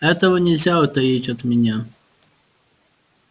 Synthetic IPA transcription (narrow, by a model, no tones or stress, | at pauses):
ɛt̪ɔɦɔnʲɛlʲzʲaɔt̪ɐjitʲɔd̪mʲɛnʲa